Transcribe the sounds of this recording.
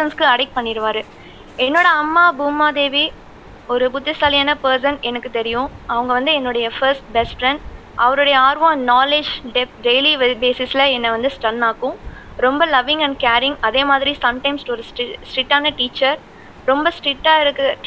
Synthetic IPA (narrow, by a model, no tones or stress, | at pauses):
ɐnskɯɐɽɐɪk̚pɐɳːɪɾɯʋaːɾɯ | ɛnːoːɽɐɐmːaːbuːmaːd̪eːʋi | ɔɾɯbʊt̪ːɪsaːlɪjaːnɐpɐɾs̬ɐnɛnɐkːɯt̪ɛɾɪjʊ̃ɐʋɐŋɡɐʋɐnd̪ɯɛnːʊɽɐjɐfɐɾsʈ̚bɛsʈfɾɛɳɖ | ʔɐʋɐɾɔɽɐjɐaːɾʋõːnaːled͡ʒɖɛpɖeɪlibeːsɪslɐɛnːɐʋɐnd̪ɯsʈɐnːaːkːʊ̃ | ɾɔmbɐlɐʋɪ̃ŋɡɐ̃ɳɖ̚kaːɾɪ̃ŋɡɐðeːmaːðɪɾisɐmʈɐ̃ɪmsʈɔɾɯsʈsʈɾɪʈːaːnɐʈiːt͡ʃːɐɾ | ɾɔmbɐsʈɾɪʈːaːɪɾɯkː